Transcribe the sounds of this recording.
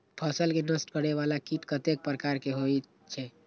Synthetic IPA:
pʰəsəlkenəsʈkəɽɛβalakiʈkət̪ek̚pɾəkaɾkeɦoj | t͡ʃʰɛ

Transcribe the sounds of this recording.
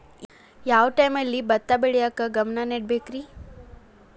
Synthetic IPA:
jaʋʈajməlːibɐt̪ːabeɽjakəɡɐmnaneʈ̚bʱekɾi

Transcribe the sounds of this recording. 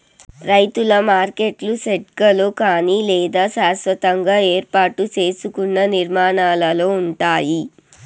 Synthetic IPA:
ɾɐjt̪ulɐmaːɾke̞ʈluseʈkɐloːkaːnilɛːd̪aːsaːsʋɐt̪ɐŋɡaːe̞ːɾpaːʈut͡ʃe̞ːsukunːɐniɾmaːnaːlɐlo̞ːuɳʈaːji

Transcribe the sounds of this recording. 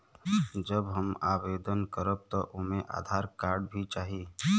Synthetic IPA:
d͡ʒəbɦəma̰ːweːd̪ənkəɾəb̚t̪ɔʔʊmẽʔa̰ːd̪ʱaːɾkaːɾɖbʱit͡ʃaːɦiː

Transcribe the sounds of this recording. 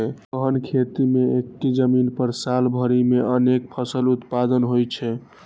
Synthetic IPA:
ɛkəɦənkʰet̪imeekʈid͡ʒəminpəɾsalbʱəɾimeənek̚pʰəsəlut̪pad̪ənɦojt͡ʃʰɛ

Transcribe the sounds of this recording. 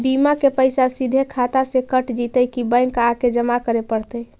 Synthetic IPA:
bimakepəɪsasid̪ʱekʰat̪asẽkəʈd͡ʒit̪əjkibəjŋkaked͡ʒəmakəɾepəɾt̪əj

